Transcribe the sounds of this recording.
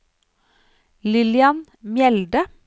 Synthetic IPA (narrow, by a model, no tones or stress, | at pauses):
lɪlɪɑn | mjɛld̪ə